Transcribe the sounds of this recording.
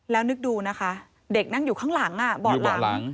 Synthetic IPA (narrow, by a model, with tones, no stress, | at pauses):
lɛː˦˥wnɯ˦˥k̚duː˧na˦˥kʰa˦˥ | de˨˩k̚na˥˩ŋjuː˨˩kʰaː˦˥ŋla˩˦ŋʔa˧˨˩bɔː˨˧t̪̚ɔː˨a˩˦lŋ